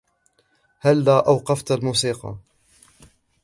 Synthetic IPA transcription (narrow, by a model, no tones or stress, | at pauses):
halːaːʔawqɑft̪almuːsiːqɑ̰